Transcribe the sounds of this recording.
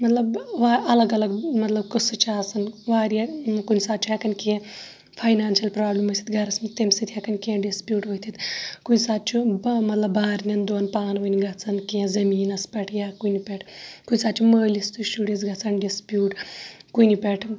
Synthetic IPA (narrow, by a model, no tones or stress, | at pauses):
mɐt̪lɐbʋaɐlɐɡɐlɐɡmɐt̪lɐb̚kɨsɨt͡ʃʰaːsɐnʋaːɾjakunʲisaːt̪̚ːt͡ʃʰuɦekɐnʲkee | fʰaːjnaːnʃɐlpɾaːblimɐt̪ʰʲit̪ɡɐɾɐsmit̪emʲsit̪ʲʰhɛkɐnʲkẽːɖispʲjuːʈʋɐːt̪ʰit̪kunʲsaːt̪̚t͡ʃʰumɐt̪lɐbːaːɾnʲɐnd̪oːnpaːnʋɐnʲiɡɐt͡sʰɐnkeẽzɐmiːnɐspʲɐʈʰjaːkunipʲɛʈʰkunʲisaːt̪̚ːt͡ʃʰuməːlist̪usuːɖensɡɐt͡sʰɐnɖispʲjuːʈkunipʲɛʈʰ